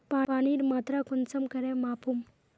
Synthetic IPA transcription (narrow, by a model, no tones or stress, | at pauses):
paːaːniɾmat̪ɾakunt͡səmkəɾẽmaːpʰum